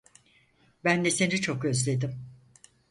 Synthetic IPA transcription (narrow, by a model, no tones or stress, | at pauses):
bænd̪ɛse̞nit͡ʃʰo̞kø̞zlʲe̞d̪im